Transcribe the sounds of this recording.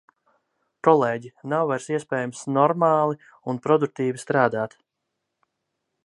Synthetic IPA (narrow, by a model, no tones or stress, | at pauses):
kɔlˠeːɟinawvajɾsiɛspɛːjumsnɔɾmaːlˠi | unpɾɔd̪uk̚t̪iːvist̪ɾaːd̪aːt̪